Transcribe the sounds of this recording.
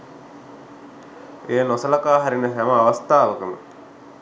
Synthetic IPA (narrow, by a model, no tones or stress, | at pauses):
eːnosəlakaːɦaɾinəɦæməaʋast̪aːʋəkəmə̰